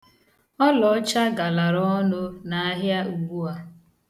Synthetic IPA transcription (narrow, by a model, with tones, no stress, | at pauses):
ɔ˦lɔ˨˦t͡ʃa˦ɡa˨la˨ɾɔ˦nʊ˦na˨a˦ɦja˦u˨ɡ͡bu˦a˦